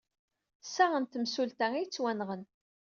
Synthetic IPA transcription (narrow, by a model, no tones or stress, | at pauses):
sːaʁənt̪əmsult̪æijt͡sːwænʁən